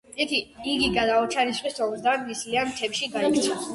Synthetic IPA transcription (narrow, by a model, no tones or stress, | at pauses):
ik̪ʰiiɡiɡad̪aɔt͡ʃʰanisχist̪ʰɔbzd̪anislianmt̪ʰɛpʃiɡaikʰt̪sʰa